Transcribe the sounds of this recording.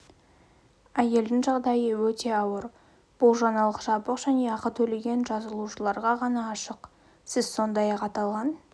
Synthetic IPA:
æje̞ld̪ɪŋʒɑʁd̪ɑjəwɵt̪e̞ɑwəɾ | b̥ʊlˠʒɑnɑlˠəqʒɑbəqʒ̥æne̞ɑqət̪ʰɵle̞ɡʲe̞nʒɑzəlˠuʃəlˠɑɾʁɑʁɑnɑːʃəq | sɪzso̞nd̪ɑjɑqɑt̪ɑlˠʁɑn

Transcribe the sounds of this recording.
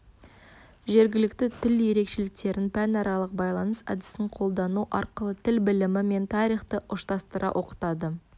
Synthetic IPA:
ʒe̞ɾɡʲɪlɪk̚t̪ɪt̪ʰɪlje̞ɾe̞kʃe̞lɪk̚t̪e̞ɾɪnpʰænɑɾɑlˠəq̚bɑjlˠɑnəsæ̰d̪ɪ̥st̪ɪɴqʰo̞lˠd̪ɑnuʔɑɾqəlˠət̪ʰɪlbɪlɪmɪme̞nt̪ʰɑɾijχt̪əʔʊʃt̪ɑst̪əɾʔɑ̰ʔo̞qə̥t̪ɑd̪ə

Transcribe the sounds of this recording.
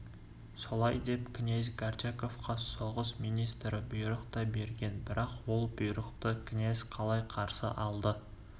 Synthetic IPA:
so̞lˠɑjd̪e̞pkʲʰɪnezɡard͡ʒako̞fqʰɑsoʁəsmijnijst̪ɾɪbʊjɾəqt̪ɑbe̞ɾɡʲe̞nbɪɾɑqwo̞lˠbʊjɾəqt̪əkʲʰɪnezqʰɑlˠɑjqʰɑɾsə̰ʔɑlˠd̪ə

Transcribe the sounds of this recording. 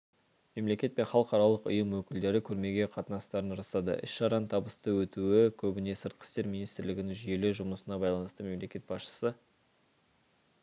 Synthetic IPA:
me̞mle̞kʲe̞t̪̚pe̞nχɑlˠəqɑɾɑlˠəqʊ̰jəmwɵkʲɪld̪e̞ɾɪkʲʰɵɾme̞ɡʲe̞qʰɑt̪ənɑst̪ɑɾənɾɑst̪ɑd̪ə̰ʔɪ̰sʃɑɾɑnt̪ʰɑbəst̪əwɵt̪uɪkʲʰɵbɪne̞səɾt̪̚qʰə̥st̪e̞ɾmʲijnijst̪ɪɾlɪɡʲɪnɪŋʒʏje̞leʒʊməsənɑbɑjlˠɑnəst̪əme̞mle̞kʲe̞t̪bɑsʃə̥sə

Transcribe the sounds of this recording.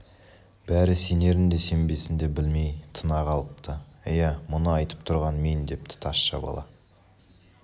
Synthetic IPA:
b̥æɾɪse̞ne̞ɾɪnd̪e̞se̞mbe̞sɪnd̪e̞bɪlme̞jt̪ʰənɑʁɑlˠəp̚t̪ʰəɪjæmʊnəɑjt̪ə̥p̚t̪ʰʊɾʁɑnme̞nd̪e̞p̚t̪ɪ̥t̪ʰɑsʃɑ̰bɑ̰lˠɑ̰

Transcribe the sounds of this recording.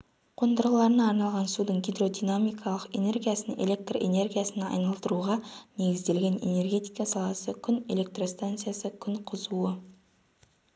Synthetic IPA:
qʰo̞nd̪əɾʁəlˠɑɾənɑːɾnɑlˠʁɑnsud̪əɴɡʲijd̪ɾo̞d̪inamijkʰɑlˠəqe̞̰ne̞rɡʲijasəne̞̰lʲe̞k̚t̪ro̰ʔe̞̰ne̞rɡʲijasənɑ̰jnɑlˠt̪əɾuʁɑne̞ɡʲɪzd̪e̞lɡʲe̞ne̞̰ne̞rɡʲe̞t̪ijkɑsɑlˠɑsəkʲʰʏne̞̰le̞k̚t̪ro̞st̪ant̪sɨjasəkʲʰʏɴqʰʊzuə

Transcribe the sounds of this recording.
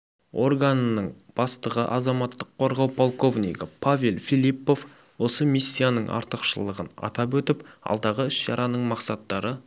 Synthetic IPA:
o̞rɡanənəɴb̥ɑst̪əʁəʔɑzɑmɑt̪ːəqʰːo̞ɾʁɑwpʰolˠko̞vnʲḭkəpʰavʲe̞lˠfilipːo̞f | wo̞səmisʲːijanəɴʔɑ̰ɾt̪əqʃəlˠəʁənɑ̰t̪ɑp̬wɵt̪ɪpɑ̰lˠd̪ɑʁəʏsʒɑ̰ɾʔɑnəɴmɑqsɑt̪ːɑɾə

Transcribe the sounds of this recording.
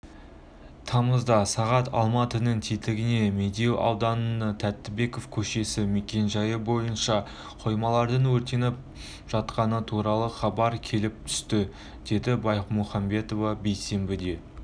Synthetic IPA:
t̪ʰɑməzd̪ɑsɑʁɑt̪ʰɑ̰lˠmɑt̪ənəɴt̪ʰit̪lɪɡʲɪne̞me̞d̪e̞wʔɑ̰wd̪ɑnənət̪ʰæt̪ːɪbe̞ko̞fkʲʰɵʃe̞sɪme̞kʲe̞nʒɑjəbo̞jənʃɑ | qʰo̞jmɑlˠɑɾd̪əɴwɵɾt̪e̞nɪp̚ | ʒ̥ɑt̪qɑnət̪ʰuɾɑlˠəχɑbɑɾkʲʰe̞lɪp̚t̪ʰʏ̥st̪ɪ | d̪̥e̞d̪ɪbɑjqmoχɑmbe̞t̪o̞vɑbe̞jse̞mbɪd̪e̞

